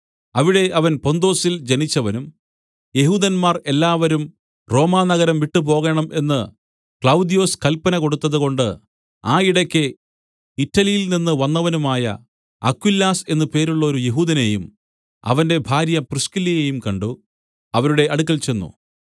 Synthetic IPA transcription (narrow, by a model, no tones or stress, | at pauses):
ɐʋiɽe̞ʔɐʋɐnpo̞nd̪o̞ːsild͡ʑɐnit͡ɕːɐʋɐnum | je̞ɦuːd̪ɐnmaːre̞lːaːʋɐɾum | ro̞ːmaːnɐɣɐɾɐmʋiʈːɨp̬o̞ːɣeɳɐmʔe̞nːɨ | kɭɐwd̪ijo̞ːskɐlpːɐnɐko̞ɽut̪ːɐðuɣo̞ɳɖɨ | aːiɽɐkʲːɨ | itːɐlijilninːɨʋɐnːɐʋɐnumaːjɐ̰ | ɐ̰kwilːaːse̞nːɨpe̞ːɾuɭːɐoɾuje̞ɦuːðɐnejum | ɐ̰ʋɐnde̞bʱaːɾjɐprɨskilːijejumkɐɳɖu | ɐʋɐɾuɽe̞ɐɽuk̬ːɐlt͡ɕe̞nːṵ